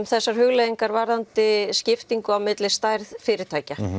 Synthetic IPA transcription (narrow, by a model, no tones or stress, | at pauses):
mθɛsːaɾ̥ɦʏɣleðiŋkaɾvaɾðant̪ɪscɪft̪iŋkʏawmɪt̪lɪst̪aːjɾðfɪːɾɪt̪ʰaːjca